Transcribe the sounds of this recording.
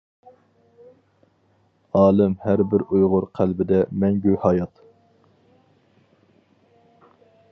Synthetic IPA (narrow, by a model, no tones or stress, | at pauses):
ɑːlˠɪmhæɾbɪɾʔujʁʊɾqʰælbɪd̪ɛmɛŋɡʲøhɑːjɑt̪